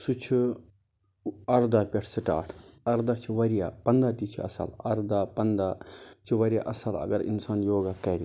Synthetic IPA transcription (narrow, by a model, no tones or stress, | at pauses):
sut͡ʃʰi | ɐɾd̪aːpʲeʈʰsiʈa̰ːʈʰɐɾd̪aːt͡ʃʰiʋɐɾja̰ːpɐnd̪aːt̪it͡ʃʰiɐ̰sɐ̰lɐɾd̪aːpɐnd̪at͡ʃʰiʋɐɾija̰ːʔɐsɐlɐ̰ɡɐɾḭnsaːnjoːɡakɐɾʲi